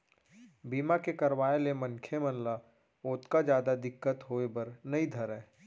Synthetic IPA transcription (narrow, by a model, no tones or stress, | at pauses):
biːmakekɐɾwaːelemə̃nkʰemənla | oːt̪kad͡ʒjaːd̪ad̪ɪkːət̪ɦoːebəɾnɐĩd̪ʱəɾɛ̃ː